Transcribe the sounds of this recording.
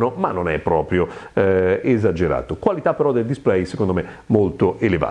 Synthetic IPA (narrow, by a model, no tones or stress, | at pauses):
nomanːonɛpːɾɔːpɾjo | ezad͡ʒeɾa̰ːt̪okwalit̪apːeɾɔd̪eld̪isplɛjsekond̪ome | molt̪oʔeleva̰